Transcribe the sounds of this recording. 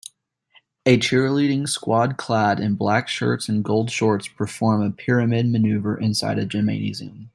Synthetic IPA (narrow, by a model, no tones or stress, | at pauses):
ɨt͡ʃʰɪɹliɾɪ̃ŋskwɑd̚kʰl̥æɾɨ̃nblækʃɜ̰˞tsɨ̃n̩ɡoʊlˠd̥ʃɔɹtspʰə˞fɔɹməpʰɪɹɨmɪd̚mɨnʉvə˞ʔɨ̃nsa̰ɪɾɨd͡ʒə˞mḛ̃ɪ̃nḭziə̃m